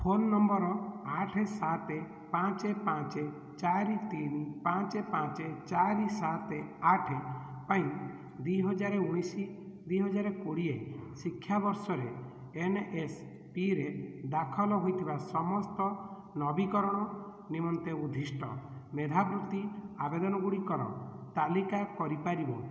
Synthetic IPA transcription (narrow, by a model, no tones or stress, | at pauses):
pʰonːɔmbɔɾɔaʈʰesat̪e | pãt͡ʃepãt͡ʃe | t͡ʃaɾit̪inipãt͡ʃepãt͡ʃet͡ʃaɾisat̪eaʈʰepaĩ | d̪iɦɔd͡ʒaɾeuɽ̃isid̪wiɦɔd͡ʒaɾekoɽiḛsikʰːjabɔɾsɔɾe | enʔes | piɾed̪akʰɔlɔɦojt̪ʰibasɔmɔst̪ɔ | nɔbikɔɾɔɽ̃ɔ | nimɔnt̪eud̪ʱisʈʰɔ̰med̪ʱabɾut̪iabed̪ɔnɔɡuɽikɔɾɔ̰t̪alikakɔɾipaɾibɔ